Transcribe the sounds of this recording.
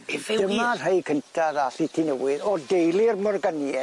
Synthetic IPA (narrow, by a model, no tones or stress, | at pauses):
d̥əmarr̥ejkʰəntʰaðaɬitʰinəwɪðɔdejlˠɪrmɔrɡənjɛ